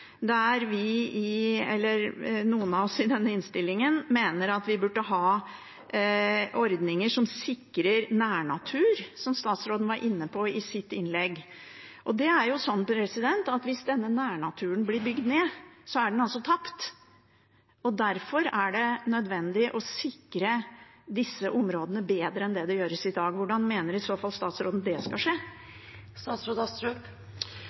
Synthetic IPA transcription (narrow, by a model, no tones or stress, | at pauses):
d̪æɛæɾʋɪɪɛlːəɾnuːənɑɔsɪd̪ɛnːəɪnst̪ɪlːɪŋənmeːnəɾɑt̪ʋɪbʉɖːəɦɑː | ɔɾd̪nɪŋəʂɔmsɪkɾəɾnæːɳɑt̪ʰʉːɾsɔmst̪ɑːt̪sɾoːd̪n̩ʋɑɾʔɪnːəpʰɔɪsɪt̪ːɪnlɛɡː | ʔɔd̪ɛæɾjʊsɔnːpɾɛsɪd̪ɛnt̪ɑt̪ʋɪsd̪ɛnːənæːɳɑt̪ʰʉːənblɪɾbʏɡd̪neːsɔæɖɛnɑlsɔt̪ʰɑpt̪ | ɔd̪æɾfɔɾæɖɛnœd̪ʋɛnd̪ɪʔɔsɪkɾəd̪ɪsːəʔʊmɾoːd̪ənəbeːd̪ɾəɛnd̪ɛd̪ɛjøːɾəsɪd̪ɑːɡʋʊɖɑnmeːnəɾɪsoːfɑlst̪ɑːt̪sɾoːd̪n̩d̪ɛskɑʂeː | st̪ɑːt̪sɾoːd̪ɑt̪ɾʉ